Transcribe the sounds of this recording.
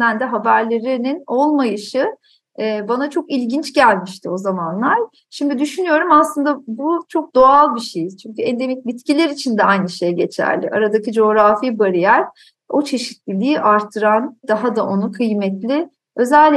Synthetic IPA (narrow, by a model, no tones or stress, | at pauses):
ænd̪ɛɦabæɾlʲe̞ɾinino̞lˠmajɯʃɯː | banat͡ʃʰo̞kilʲɟint͡ʃɟælʲmiʃt̪ʰio̞zamanlˠaɾ̥ | ʃimd̪id̪yʃynyjo̞ɾumaslˠɯnd̪abut͡ʃʰo̞k̚d̪o̞alˠbiʃejiz̥t͡ʃʰyɲcʰyɛnd̪e̞micʲbit̪cʰilʲeɾit͡ʃʰind̪ɛajnɯʃe̞jɟe̞t͡ʃʰæ̰ɾlʲɪ̰ʔaɾad̪acid͡ʒo̞ːɾafibaɾijæɾ | o̞t͡ʃʰe̞ʃi̥t̪lʲilʲiiʔaɾt̪ʰːɯɾand̪aɦad̪aʔo̞nukʰɯjmɛt̪lʲɪ | ø̞zælʲː